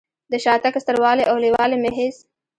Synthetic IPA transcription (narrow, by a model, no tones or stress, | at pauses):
d̪əʃɑt̪akast̪əɾwɑːleʔawlewɑlemeɦɪs